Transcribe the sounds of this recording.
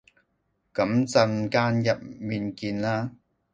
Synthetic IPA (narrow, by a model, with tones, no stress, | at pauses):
kɐ˨˥mt͡sɐ˧nkaː˥njɐ˨p̚miː˨˧nkiː˧nlaː˥